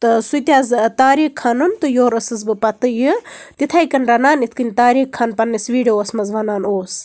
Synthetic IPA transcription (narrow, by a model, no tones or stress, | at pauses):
t̪ɨsut̪ʲaːzt̪aːɾiːkʰːɐnɨnt̪ɨjoːɾɐsɨzbɨpɐt̪ɨjɨt̪it̪ʰajkɐnɾɐnaːnit̪ʰkɨnʲt̪aːɾiːkʰːɐnpɐnːisʋiːɖioːsmɐzʋɐnaːnoːs